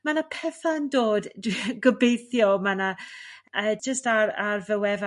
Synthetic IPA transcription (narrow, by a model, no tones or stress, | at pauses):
manapʰɛθaəndoːddwiɡəbejθjɔmana | əːd͡ʒəstararvəwɛva